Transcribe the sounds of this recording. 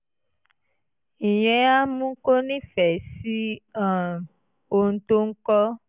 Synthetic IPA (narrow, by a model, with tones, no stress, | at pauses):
ĩ˨j̃ɛ̃˨˦a˦mũ˦ko˦nĩ˦fɛ˨si˦ã˨ | o˨n̩˨˦t̪o˦ŋ̩˦kɔ˦